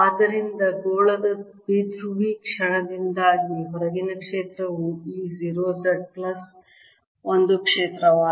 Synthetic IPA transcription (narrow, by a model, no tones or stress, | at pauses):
aːd̪ɐɾind̪ɐɡoːɭɐd̪ɐbid̪ʱɾuʋiːkʂɐɳɐd̪ind̪aːɡiɦɔɾɐɡinɐkʂeːt̪ɾɐʋuiːziːɾoːsɐʈ̚plɐs | ond̪ukʂeːt̪ɾɐʋaː